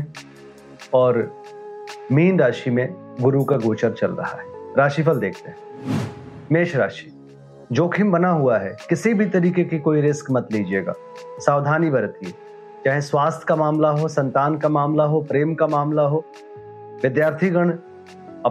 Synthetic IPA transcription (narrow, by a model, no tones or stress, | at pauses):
ɔːɾ | miːnɾaːʃimẽɡʊɾukaɡoːt͡ʃəɾt͡ʃɐlɾɐ̰ɦa̰ɦɛɾaːʃifʰəld̪eːkʰt̪eɦɛ̃ | meːʃɾaːʃi̥ː | d͡ʒoːkʰɪmbɐnaɦuaɦɛkɪsibʱit̪ɐɾiːkekikoːiɾɪskmɐt̪liːd͡ʒeːɡa̰ː | saːʋd̪ʱaːnibɐɾt̪iɦɛː | t͡ʃaːɦẽswaːst̪ʰkamaːmlaɦosɐ̃nt̪aːnkamaːmlaɦopɾeːmkamaːmlaɦoː | ʋɪd̪jaːɾt̪ʰiɡəɽ̃ | ɐ